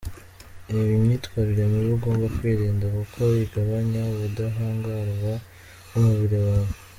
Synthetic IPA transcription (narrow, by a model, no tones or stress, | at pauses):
eβimɲiːtwaːɾiɾemiβuɡo̞ːmbakwiɾiːndakukʰoβiɡaβaɲaβudaɦaːŋɡaɾwa | umuβiɾiwaːβe